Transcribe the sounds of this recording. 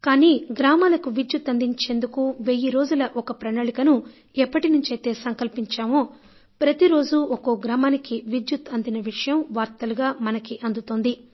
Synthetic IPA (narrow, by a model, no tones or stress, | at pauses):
kaːniːɡɾaːmaːlɐkuʋid͡ʒjut̪ːɐnd̪iɲt͡ʃe̞ːnd̪ukuʋejiɾo̞ːd͡ʒulɐʔɔkɐpɾɐnaːɭikɐnu | ɛpːɐʈinuɲt͡ʃɐjt̪e̞ːsɐŋkɐlpiɲt͡ʃaːmoː | pɾɐt̪iɾo̞ːd͡ʒuɔko̞ɡɾaːmaːnikiʋid͡ʒjut̪ɐnd̪inɐʋiʂɐjɐmʋaːɾt̪ɐluɡaːmɐnɐkiʔɐnd̪ut̪oːnd̪i